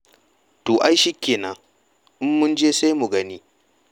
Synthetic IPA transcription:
toː˨ʔa˦jʃi˦kʲːeː˨na˦ | ʔɪ˦mːʊ˦nd͡ʒeː˦sa˦jmu˨ɡɐ˦niː˦

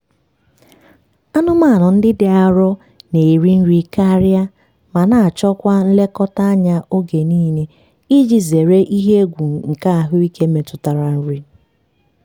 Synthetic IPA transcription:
a˦nʊ˦ma˦˨nʊ˨n̩˦dɪ˦dɪ˨a˨ɾɔ˦ | ne˨ɾi˦n̩˦ɾi˦ka˦ɾja˦ | ma˨na˨a˨t͡ʃɔ˦kʷa˦n̩˦le˦kɔ˦ta˦a˦ɲa˦ʔo˦ɡe˨niː˦ne˦ | i˦d͡ʒi˨ze˨ɾe˦ʔi˦ɦe˦ɡʷu˨ŋ˨ŋ̩˨ka˦a˨ɦʊ˦i˦ke˦me˨tʊ˨ta˨ɾa˨n̩˦ɾi˦

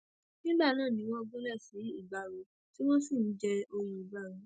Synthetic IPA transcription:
nĩ˦ɡ͡ba˦˨nãː˦˨nĩ˨˦w̃ɔ̃˦ɔ˦˧ɡũ˦lɛ˦˨sĩ˨˦i˦˨ɡ͡ba˨ɾo˨˦ | ti˦w̃ɔ̃˦si˦˨n̩˨˦d͡ʒɛ˧o˧ɾ̃ũ˧i˨ɡ͡ba˨˦˨ɾ̃ũ˨˦

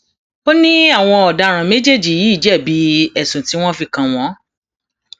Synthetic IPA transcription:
o˦nĩ˦a˦˨w̃ɔ̃˧ɔ˨da˧˦ɾ̃ã˨me˦d͡ʒe˦˨d͡ʒi˨ji˨˦˨d͡ʒɛ˦˨bi˨˦ɛ˨sũ˨ti˨˦w̃ɔ̃˦fi˧kã˧w̃ɔ̃˨˦

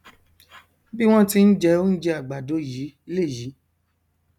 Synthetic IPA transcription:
bi˦w̃ɔ̃˦ti˧˦n̩˦d͡ʒɛ˧o˦n̩˦d͡ʒɛ˧˦a˨ɡ͡ba˨do˨˦ji˨˦i˧˦le˦˨ji˨˦

